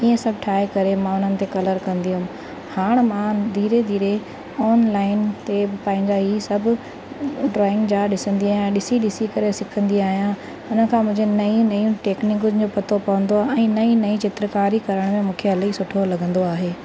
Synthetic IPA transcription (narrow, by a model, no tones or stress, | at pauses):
iːə̃sɐbʱʈʰaːekɐɾemãʊn̤ənɪ̆t̪ekɐləɾkɐ̃nd̪iɦʊ̃m | haːɽ̃mãd̪ʱiːɾed̪ʱiːɾe | ɔːnlaːɪnt̪eɪpãːɦɪ̃ɲd͡ʑaɦiːsɐbʱʊ | ɖɾɔːɪ̃ŋɡd͡ʑaːɗɪsə̃nd̪iaːɦjãɗɪsiɗɪsikɐɾesɪkʰə̃nd̪iaːɦijã | ʊnə̆kʰãːmʊ̃ɦɪ̃ɲd͡ʑenɐĩnɐjũʈeːknɪkʊzd͡ʑoːpɐt̪opɐʋə̃nd̪oaɛ̃ːnɐĩnɐĩt͡ɕɪt̪ɾəkaːɾikɐɾəɽ̃mẽmũːkʰeɦɐlisʊʈʰolɐɡʱə̃nd̪oaːɦeː